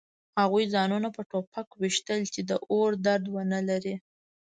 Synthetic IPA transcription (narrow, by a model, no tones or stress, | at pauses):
haɣujzɑnunapəʈopʰakwiʃt̪əlt͡ʃed̪əʔoɾd̪aɾd̪wənəlaɾi